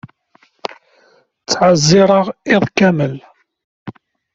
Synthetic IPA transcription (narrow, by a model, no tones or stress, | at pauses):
t͡sːʕazːɪɾˤəʁɪðˤkæməl